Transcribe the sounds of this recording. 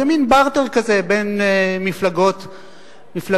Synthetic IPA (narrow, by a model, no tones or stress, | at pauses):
eminbaʁt̪eʁkazebenmiflaɡo̞t̪ | mifla